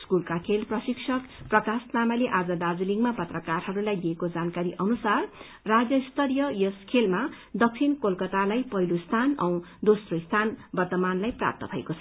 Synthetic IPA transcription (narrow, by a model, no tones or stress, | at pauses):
skulkakʰelprʌsiksʰʌkprʌkasnamaleʔad͡zʌd̪ad͡ziliŋɡmapʌt̪rʌkarɦʌɾulajd̪ijekod͡zankaɾiʔʌnusarː | ad͡zjʌst̪ʰʌɾjʌjʌskʰelma | d̪ʌk̚t͡sʰinkolkʌt̪alajpʌɦilost̪ʰanʌ̰w̃d̪osroist̪ʰanbʌrt̪ʌmanlajpra̰p̚t̪ʌbʱʌḛkot͡sʰʌ